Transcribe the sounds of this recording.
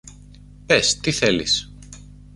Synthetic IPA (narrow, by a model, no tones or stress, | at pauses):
pest̪iθe̞lḭs